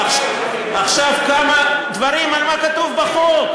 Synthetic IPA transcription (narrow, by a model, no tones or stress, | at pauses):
aχʃavkamad̪vaʁimalmakat̪uvbaχo